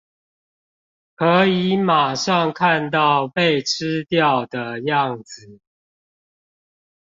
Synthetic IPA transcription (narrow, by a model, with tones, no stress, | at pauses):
kʰɤ˨˦˥i˧˦ma˨˩ʂɑ˥˨ŋkʰa˥˧nt̪ɑ˥˨ʊpe˥˨ɪʈ͡ʂ̩ʰ˦t̪jɑ˥˨ʊd̪ə˩jɑ˥˨ŋd͡zɨ˨˩